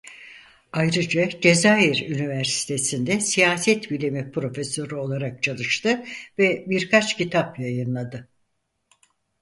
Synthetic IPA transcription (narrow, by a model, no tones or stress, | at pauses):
ajɾɯd͡ʒad͡ʒe̞zaːjiɾynivæɾsi̥t̪ʰe̞sind̪ɛsijaːsɛt̪bilʲimɛpɾo̞feso̞ɾɯo̞lˠaɾak̚t͡ʃʰalˠɯʃt̪ʰɯvɛbiɾkʰat͡ʃcit̪ʰapjajɯnlˠad̪ɯ